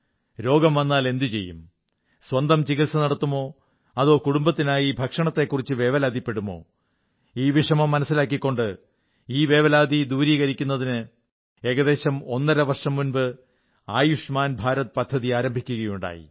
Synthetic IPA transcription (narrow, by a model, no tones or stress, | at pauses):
ɾo̞ːɡɐmʋɐnːaːle̞nd̪it͡ɕe̞̰jːum | swɐnd̪ɐmt͡ɕiɣilsɐnɐɽɐt̪ːumo̞ː | ɐðo̞ːkuɽumbɐt̪ːinaːjibʱɐkʂɐɳɐt̪ːe̞kːurit͡ɕːɨʋe̞ːʋɐlaːd̪ʱipːe̞ɽumo̞̰ː | iːʋiʂɐmɐmːɐnɐsːilaːk̬ːikːo̞ɳɖɨ | iːʋe̞ːʋɐlaːd̪ʱid̪uːɾiːɣɐɾikʲːunːɐðinɨ | e̞ːɣɐðe̞ːɕɐmo̞nːɐɾɐʋɐrʂɐmːunbɨ | aːjuʂmaːnbʱaːɾɐt̪pɐd̪ʱːɐðiaːɾɐmbʱikʲːuɣɐjuɳɖa̰ːjḭ